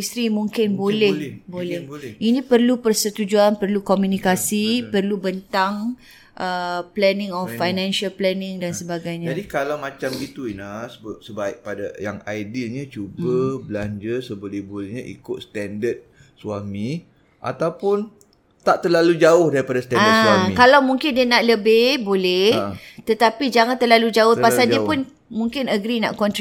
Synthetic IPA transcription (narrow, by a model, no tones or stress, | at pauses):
ist̪ɾimũŋkɪnbolɛhbolɛhinĩpərlupərsət̪ud͡ʒuanpərlukomjunikasipərlubənt̪aŋ | ʔəplɛnɪ̃ŋɔfːajnãnʃalplɛnɪ̃ŋdansəbaɡajɲad͡ʒadikalawmat͡ʃambɡit̪uinasəbap̚səbaɪk̚padajaŋaidiɲat͡ʃubabəlaɲd͡ʒəsəbəlɛhbolɛhɲaʔḭkʊt̪̚st̪ɛndət̪̚ | suamĩ | ʔa̰t̪awpʊn | t̪aʔt̪əlalud͡ʒaʊhdaɾipadasə̥t̪ɛnadəswamikalawmũŋkɪndiənaʔləbɪhbolɛht̪ət̪apid͡ʒaŋant̪ərlalud͡ʒaʊhpasaldiəpʊn | mũŋkɪnəɡɾina̰ʔkɔnt̪